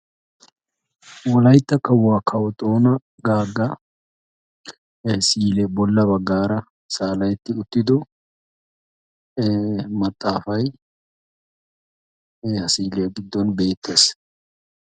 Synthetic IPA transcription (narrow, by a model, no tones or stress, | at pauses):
wɔlɐjt̪ːɐkːɐwaːkʰɐwɔt̪ʼoːnɐ | ɡaːɡːɐ | siːlɛbɔlːɐbɐɡːaːɾɐ | saːlɐjɛt̪ːɪʊt̪ːɪd̪ɔ | mɐt̪ʼːaːfɐj | hɐsiːlejɡɪd̪ːɔnbe̞ːt̪ːe̞ːs